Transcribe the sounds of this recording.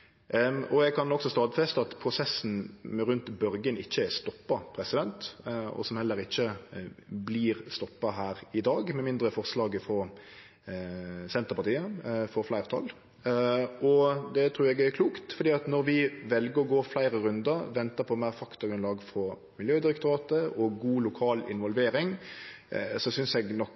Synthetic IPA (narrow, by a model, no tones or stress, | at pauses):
ɔɛɡkʰɑnɔksɔst̪ɑːd̪fɛst̪əɑt̪pʰɾʊsɛsːn̩ɾʉnt̪bœɾɡənɪçːəɛst̪ɔpːɑpʰɾɛsɪd̪ɛnt̪ɔ̰sɔmhɛlːəɾɪçːə | bliːɾst̪ɔpːɑɦæːɾɪd̪ɑːɡmɛmɪnd̪ɾəfɔɾslɑːɡəfɾɔ | sɛnt̪əʁpɑt̪ʰiːəfɔɾflæɪʁət̪ʰɑ̰lː | ɔd̪ɛt̪ʰɾʉːɾɛɡækʰluːkt̪fɔɾd̪iːɑt̪nɔɾʋɪʋɛlɡəɾɔɡoːflæɪɾəɾʉnd̪ɑʋɛnt̪əpʰɔmæɪɾfɑkt̪ɑɡɾʉnlɑːɡfɾɔ | mɪljøːd̪ɪɾɛkt̪ʊɾɑːt̪əɔɡuːlʊkʰɑːlɪ̰nʋɔlʋeːɾɪŋ | sɔsʏnsɛɡnɔk